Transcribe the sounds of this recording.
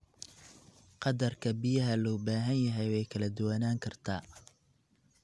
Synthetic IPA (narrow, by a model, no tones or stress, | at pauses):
qɑd̪ɐrkʰɐbɪjɐɦɐlɔːbaːɦɐnjɐɦɛjwɛjkʰɐlɐd̪ʊwɐnaːŋkʰɐrt̪ʰaː